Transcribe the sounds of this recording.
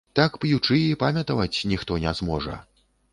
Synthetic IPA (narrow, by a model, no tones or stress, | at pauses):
t̪akpjut͡ʂɨjipamʲɐt̪ɐvɐt͡sʲnʲixt̪ɔnʲɛzmɔʐɐ̰